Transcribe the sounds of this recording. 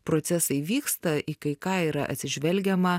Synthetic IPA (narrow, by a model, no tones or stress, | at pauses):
pɾoːt̪sʲɛsɐɪʋʲiːkst̪ɐʔikɐɪkɑːiːɾɐ̰ʔɐ̰t̪sʲɪʒʲʋʲɛlʲɡʲɛmɐ